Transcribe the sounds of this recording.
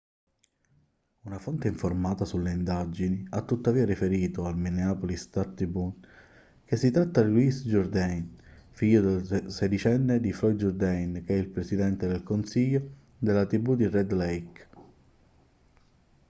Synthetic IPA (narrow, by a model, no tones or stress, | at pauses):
unafont̪eiɱformaːt̪asulːeind̪ad͡ʒiniat̪ːut̪ːaviːaɾifeɾiːt̪oalmineaːpolist̪at̪ɾibun | k̟esːit̪ɾat̪ːad̪lwisd͡ʒɔrd̪ɛjnfiʎːod̪elsed̪it͡ʃɛnːed̪ifɾɔj̪d͡ʒɔrd̪ɛjnk̟eɛilpɾesid̪ɛnt̪ed̪elkonsiʎːo | d̪elːat̪ɾibud̪irɛd̪lɛjk